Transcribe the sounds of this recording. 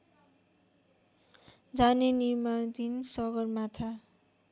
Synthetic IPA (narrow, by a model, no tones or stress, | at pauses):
d͡zanenirmaɽd̪insʌɡʌrmat̪ʰa